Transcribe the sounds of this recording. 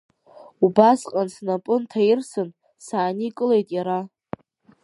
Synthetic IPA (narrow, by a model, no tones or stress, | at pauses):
ubasqʼansnapʼʊntʰajɪrsɨn | saːnikʼɨle̞jtʼjaɾa